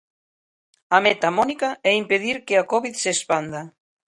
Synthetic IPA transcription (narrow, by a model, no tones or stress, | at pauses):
amet̪amɔnikaɛimpeðiɾkeakɔβiðsespand̪a